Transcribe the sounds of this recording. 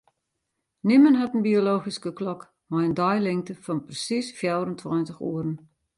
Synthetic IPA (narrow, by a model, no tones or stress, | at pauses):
nimənɦatən̩bioloːxiskəklɔk | majəndɔjlɪŋ̚təfɔnprəsisfjɛwɾəntʰwɔjntəxṵəɾən